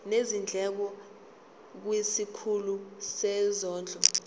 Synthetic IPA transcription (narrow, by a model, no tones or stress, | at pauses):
nezind͡ɮʱɛk̬ɔ | k̬wisikʰulusɛzɔːnd͡ɮʱɔ